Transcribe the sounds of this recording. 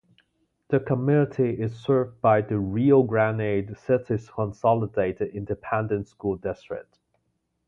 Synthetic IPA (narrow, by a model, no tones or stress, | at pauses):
ðəkʰəmjʉnətʰiɪz̥sɜ˞vd̚baɪðəɹilˠɡɹæ̃neɪdsɪtɪz̥kʰə̃nsɑlˠədeɪɾɨdɪ̃ndɨpʰɛ̃ndə̃ntskulˠdɛstɹ̥ɪ̰k̚t